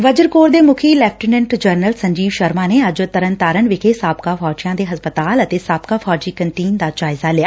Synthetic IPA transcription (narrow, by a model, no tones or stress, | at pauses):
ʋɐd͡ʒəɾkoːɾd̪eːmʊkʰilɛːp̚ʈənə̃ɳʈd͡ʒəɾnəlsɐ̃ɲd͡ʒiːʋʃɐɾmãːneɐd͡ʒt̪ɐɾə̃nt̪aːɾənʋɪkʰesaːbkafɔːd͡ʒijãːd̪eːɦɐspət̪aːlɐt̪esaːb̚kafɔːd͡ʒiːkɐnʈiːnd̪aːd͡ʒaːɪzalɪjaː